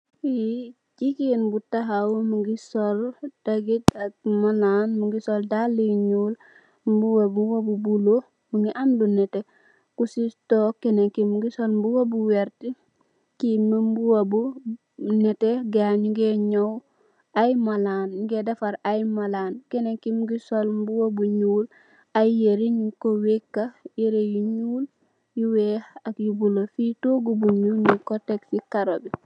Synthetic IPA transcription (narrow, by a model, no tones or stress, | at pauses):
i | d͡ʒikinbutaɦawmuŋɡisɔld̥ɐɡitak̚malanmuŋɡisoldalːiɲul | mbuwabwabubulo | muŋɡiʔamdunɛte | kusistokɛnekimuŋɡisɔlmbuwabuwɛɾti | kimimbuwabu | neteɡaɲuɡeɲow | ajmalaːnɲuɡedafaɾajmalaːnkenekimɡisolmbuwobuɲuːl | ajeɾiɲikowekːajiɾejuɲuːl | juwehakjubulofitoɡubuuːlɲikoteksikaɾobi